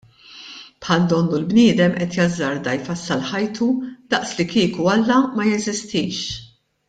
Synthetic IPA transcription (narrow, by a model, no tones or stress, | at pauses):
pħɐld̪ɔnːulbnɪːd̪ɛmʔɛt̪jɐzːɐɾd̪ɐjfɐsːɐlħɐjt̪ʰud̪̥ɐʔslikiːkuɐlːɐmɐjɛzɪst̪iːʃ